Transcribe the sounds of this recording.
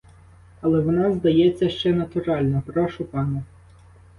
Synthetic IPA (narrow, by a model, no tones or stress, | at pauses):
ɐlˠɛʋɔnɑzd̪ɐjɛt͡sʲːɐʃt͡ʃɛnɐt̪ʊɾɑlʲnɔpɾɔʃʊpɑnɛ